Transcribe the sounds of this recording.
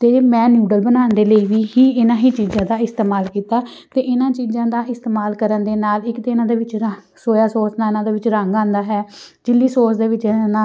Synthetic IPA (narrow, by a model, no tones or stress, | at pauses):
t̪eːmɛ̃ːnjuːɖəlbənaːnd̪eːləiːʋiːɦiːɪnãːɦiːt͡ʃiːzãːd̪aːɪst̪eːmaːlkiːt̪aːt̪eːʔɪnãːt͡ʃiːzãːd̪aːʔɪst̪eːmaːlkəɾənd̪eːnaːlɪkt̪eːɪnãːd̪eːʋɪt͡ʃ | soːjaːsoːsnaːɪnãːd̪eːʋɪt͡ʃɾəŋɡãːnd̪aːɦɛːd͡ʒɪlːiːsoːsd̪eːʋɪt͡ʃːna